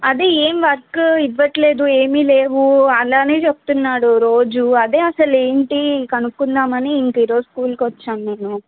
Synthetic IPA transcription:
ɐd̪eːeːmʋɐɾkiʋːɐʈle̞ːd̪ueːmileːʋuɐlaːne̞ːt͡ʃeb̚t̪unːaːɽuɾo̞ːd͡ʒuɐd̪e̞ːɐsɐle̞ːɳʈikɐnukːund̪aːmɐneiŋkɐiːɾoːskuːlkʋɐt͡ʃːaːnneːnu

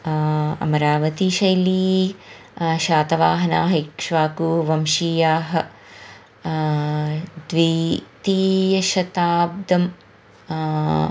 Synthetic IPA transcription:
ɐ̰mɐɾaːʋɐt̪iʃɐjliː | ʃaːt̪ɐʋaːɦɐnaːɦɐikʂʋaːkuʋɐmʃiːjaːɦɐ̆ | d̪ʋiːt̪iːjɐʃɐt̪aːb̚d̪ɐm

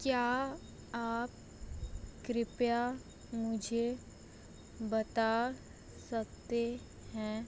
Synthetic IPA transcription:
kjaː | aːp̚ | kɾɪpja | mʊd͡ʒʱe | bɐt̪a | sək̚t̪e | hɛ̃ː

